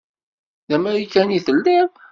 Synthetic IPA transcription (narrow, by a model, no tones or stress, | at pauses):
ðæmæɾikːæniθəlːiɾ